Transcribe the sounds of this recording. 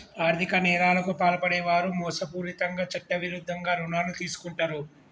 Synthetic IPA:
aːɾt̪ʰikɐnɛːɾaːlɐkupaːlɐpɐɽɛːʋaːɾumɔːsɐpuːɾit̪ɐŋɡaːt͡ʃɐʈːɐʋiɾud̪ʱːɐŋɡaːɾunaːnut̪iːsu̥kuɳʈɐɾu

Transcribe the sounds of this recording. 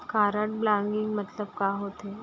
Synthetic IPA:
kaːɾəʈ̚blãŋɡɪŋɡmət̪ləb̚kaːɦot̪e

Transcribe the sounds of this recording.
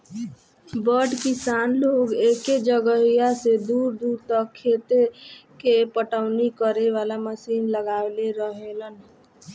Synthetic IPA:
bəɖkisanloɡeked͡ʒəɡəɦijased̪uːɾd̪uɾt̪əkʰːet̪ekepəʈəʊnikəɾeʋalaməsinləɡaleɾəɦelən

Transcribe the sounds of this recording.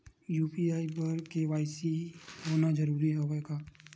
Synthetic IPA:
juːpiaːibɐɾkeʋaːɪsiɦoːnad͡ʒɐɾuːɾiɦoʋeːɡaː

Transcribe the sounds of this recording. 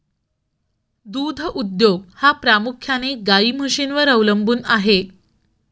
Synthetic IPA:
d̪ud̪ʱəʔud̪joɡ̚hapɾamukʰjaneɡaiːməʂinʋəɾəʋləmbuːnaɦe

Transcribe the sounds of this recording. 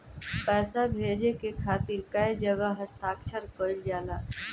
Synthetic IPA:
pɛːsabʱeːd͡ʒekekʰaːt̪iɾkəjd͡ʒəɡəɦəst̪aːkʃəɾkəld͡ʒaːlaː

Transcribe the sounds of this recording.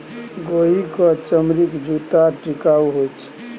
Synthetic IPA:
ɡoikɔt͡ʃəmɾikd͡ʒut̪aʈikauɦot͡ʃʰ

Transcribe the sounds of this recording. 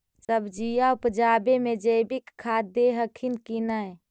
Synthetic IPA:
səbd͡ʒijaupəd͡ʒaːbemed͡ʒəbikʰːad̪eɦəkʰinkinəj

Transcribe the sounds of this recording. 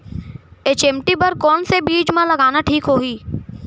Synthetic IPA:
eːt͡ʃẽːmʈibɐɾkɔːnsebiːd͡ʒmẽlɐɡaːnaʈʰiːkɦoːiː

